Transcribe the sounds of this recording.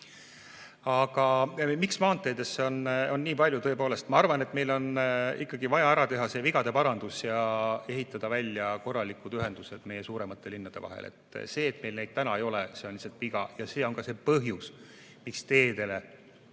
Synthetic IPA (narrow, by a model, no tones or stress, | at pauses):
ɑɡɑmiksmɑːnt̪ːˑe̞ːd̪̥esːeono̞nːiːpɑlʲjut̪ɤ̞epo̞ːlest̪mɑɑrvɑne̞t̪ːme̞jlo̞nikːˑɑɡ̥ivɑjɑæɾɑt̪e̞ɦɑse̞viɡ̥ɑd̪̥e̞pɑɾɑnd̪̥usjɑe̞ɦit̪ːˑɑd̪̥ɑvælʲjɑko̞rːɑlikud̪yɦe̞nd̪use̞d̪̥me̞je̞suːɾe̞mɑt̪ːˑe̞linːɑd̪̥e̞vɑ̰ɦḛlḛt̪ˑse̞ːt̪me̞jlne̞jd̪̥̚t̪ænɑejo̞lese̞o̞nliset̪viɡ̥ɑ̰jɑse̞ːo̞nkɑse̞pɤɦjus | mikst̪e̞ːd̪e̞le